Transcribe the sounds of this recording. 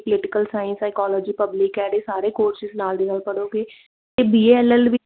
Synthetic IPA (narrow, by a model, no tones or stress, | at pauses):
pəlɪʈɪkəlsaːjə̃nsaːkɔːlɔːd͡ʒiːpəblɪkɛːɽeːsaːɾeːkoːɾsɪznaːld̪eːnaːlpəɽoːɡeː | t̪eːbiːeːɛlɛlʋɪ